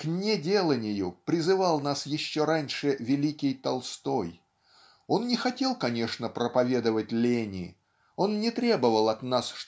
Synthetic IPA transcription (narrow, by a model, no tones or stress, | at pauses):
knʲɪdʲe̞lˠənʲɪjʊpɾʲɪzɨvɑlˠnasjɪɕːo̞ɾanʲʂɨvʲɪlʲikʲɪjt̪ɐlˠst̪o̞j | o̞nnʲɪxɐtʲe̞lˠkɐnʲe̞ʂnəpɾəpɐvʲe̞d̪əvətʲlʲenʲɪ̰ | o̞nnʲɪt̪ɾʲe̞bəvəlˠɐt̪nasʂ